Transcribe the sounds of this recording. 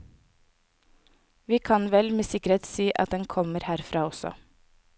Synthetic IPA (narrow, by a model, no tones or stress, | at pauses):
ʋiːkʰɑnʋɛlmeːsɪkəɾheːt̪siːʔɑt̪̚d̪ɛnkʰɔməɾhæːɾfɾɑːɔsɔ̰